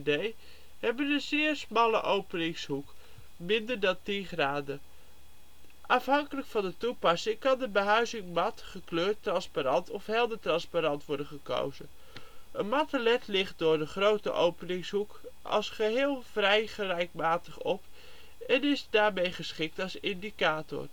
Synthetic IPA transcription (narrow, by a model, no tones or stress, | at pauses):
dej | ɦɛbənənzɪːɹsmɑlə̰ʔowpənɪŋsɦuk | mɪndəɹdɑntinχraːdə | ʔɑfɦɑŋkələkfɑndətupɑsɪŋkɑndəbəɦœɥzɪŋmɑtχəkløːɹtːrɑnspaɾɑntɔfɦɛlˠdətrɑnspaɾɑntʋɔɹdənχəko̰wzən | ənmɑtəlɛtlɪχt̚dʊːɹdəχrowtə̰ʔowpənɪŋsɦuk | ɑ̰lˠsχəɦɪːlˠvrɛjχərɛjk̚maːtəχɔp | ɛnɪzdaːɹmejχəsχɪk̚tɑlˠsɪndikaːtɔ̰r